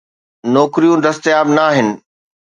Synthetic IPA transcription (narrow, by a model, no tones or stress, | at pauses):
nɔːkɾijũd̪ɐst̪ɪjaːbnaːɦɪnɪ̆